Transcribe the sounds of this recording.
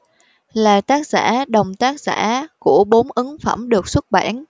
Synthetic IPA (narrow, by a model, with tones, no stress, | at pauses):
laː˨˩t̪aː˦˥k̚z̥a̰ː˧˥ɗə˨˩wŋ͡mt̪aː˦˥k̚z̥a̰ː˧˥ku˧˩əɓo˨˦nʔɨ˨˦ŋfə̰˧˩mɗɨ˨˩ək̚swə˦˥t̚ɓa̰ː˧˩n